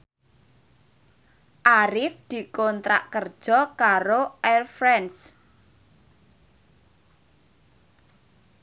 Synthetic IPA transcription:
ʔaɾɪfd̪̥i̤kɔnt̪ɾa̰ʔkərd̥ʒ̥ɔ̤kaɾoʔɛrfɾɛns

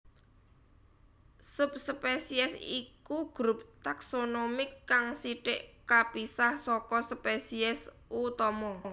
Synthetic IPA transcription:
sup̚spesiɛsḭkuɡ̥ɾup̚t̪aksonomɪkːaŋsiʈɪʔkapisahsɔkɔspesiɛs | ut̪ɔmɔ

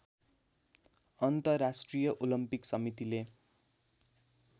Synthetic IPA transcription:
ʌnt̪ʌrasʈrijʌʔolʌmpiksʌmit̪ile

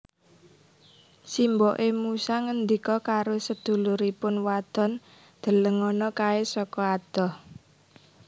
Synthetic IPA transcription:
simbɔʔemusaŋənd̪ikɔkaɾosəd̪̥ṳluɾipʊnwad̪̥ɔ̤n | d̪̥ə̤ləŋɔnɔkaesɔkɔad̪̥ɔ̤h

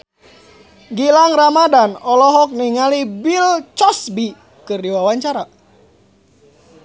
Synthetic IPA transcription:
ɡilaŋramadanɔlɔɦɔk̚niŋalibilt͡ʃɔsbi | kɨrdiwawaɲt͡ʃaɾa

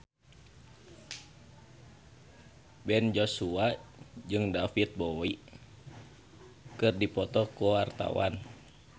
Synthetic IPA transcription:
bɛnd͡ʒosuad͡ʒɨŋdafit̪̚boi | kɨrdipɔt̪ɔkuwart̪a̰wa̰n

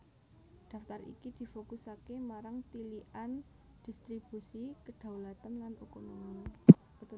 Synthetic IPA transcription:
d̪̥a̤ft̪arḭkid̪̥i̤fokusakemaɾaŋt̪iliʔan | d̪̥i̤st̪ɾib̥usikəɖ̪̥ä̤wlat̪ənlanukonomi | bt̪

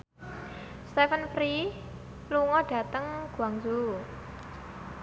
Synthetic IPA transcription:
st̪ɛfənfɾi | luŋɔɖ̥ä̤t̪əŋɡ̥uaŋzo

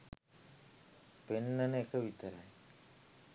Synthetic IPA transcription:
penːɐneekəʋit̪əɾaj

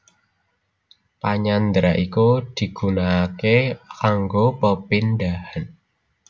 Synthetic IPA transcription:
paɲand̪ɾaʔikud̪̥i̤ɡ̥ṳnakekaŋɡopəpɪndahan

